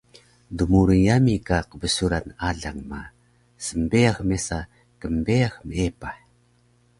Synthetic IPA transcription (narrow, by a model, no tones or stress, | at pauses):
dumuɾənjamikaqbəsuɾanaɮaŋma | səmbejaxmesa | kəmbejaxməepaħ